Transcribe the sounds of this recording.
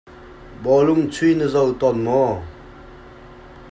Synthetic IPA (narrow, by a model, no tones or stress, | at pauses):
bɔluŋt͡sʰwinəzawt̪ɔnmɔ